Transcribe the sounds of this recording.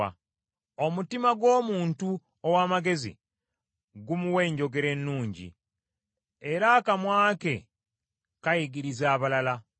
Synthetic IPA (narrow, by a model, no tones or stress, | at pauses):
a̰ | o̞mutimaɡwo̞ːmuːntu | owaːmaɡe̞zḭ | ɡumuwe̞ːɲɟo̞ɡe̞ɾe̞nːuːɲɟḭ | e̞ɾakamwaːke | kajiɡiɾizaːβalala